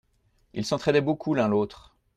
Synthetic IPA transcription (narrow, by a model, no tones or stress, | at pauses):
ḭlsɑ̃t̪χɛd̪ɛbokʰulɛ̃lot̪χ